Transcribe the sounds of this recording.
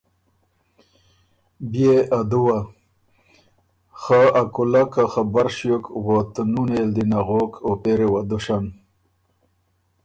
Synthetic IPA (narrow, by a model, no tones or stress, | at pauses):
bjead̪uwa | xaakulakaxabaɾʂjokwot̪nuneld̪inaɣokʰopeɾewad̪uʂan